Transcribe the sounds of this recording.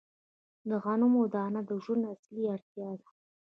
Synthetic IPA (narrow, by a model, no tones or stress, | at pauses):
d̪əɣanumod̪ɑnad̪əʒwund̪asliaɾt̪jɑd̪ḁ